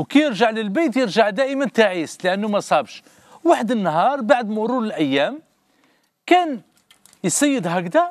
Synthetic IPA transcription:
wkæjəɾʒaʕləlbæjt̪jəɾʒaʕd̪æʔəmənt̪aʕisləʔənːumæsˤɑbʃ | waħəd̪ənːɦɑɾˤbaʕd̪mʊɾuləlʔæjːæm | kæn | jsæjːəd̪ɦæɡd̪æ

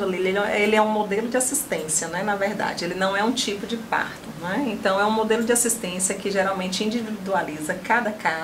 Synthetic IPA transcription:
ɐlileɛelɪɛũmod̪elʊd͡ʒɪasist̪ẽsiɐnɛnɐveɾd̪a̰d͡ʒɪelɪnɐ̃w̃ɛũt͡ʃipʊd͡ʒɪpa̰ɾt̪ʊnɛẽnt̪ɐ̃w̃ɛũmod̪elʊd͡ʒɪasist̪ẽsijɐkɪʒeɾawmẽnt͡ʃɪĩd͡ʒivivid̪ualizɐkad̪ɐka

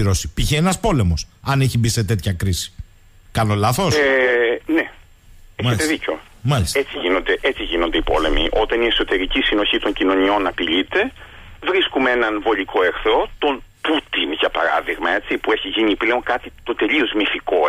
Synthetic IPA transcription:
iɾo̞si̥piçeenɐspo̞le̞mo̞sɐneçibist̪et̪e̞t̪çɐkɾisi̥ | kɐno̞lɐθo̞s | ne | eçɐet̪eðico̞ | mɐliset͡siʝino̞nd̪eʔet͡siʝino̞nd̪eipo̞̰le̞mḭʔo̞t̪ɐnie̞kso̞t̪e̞ɾicisino̞çit̪o̞ɲcino̞nio̞nɐpiʎit̪e̞ | vɾiskumeenɐnvo̞ʎiko̞e̞ɾθɾo̞t̪o̞n | put̪inʝɐpɐ̰ɾɐ̰ðiɣmɐe̞t͡sipue̞çiʝiɲipleoŋkɐt̪it̪o̞t̪e̞ʎio̞zmifiko

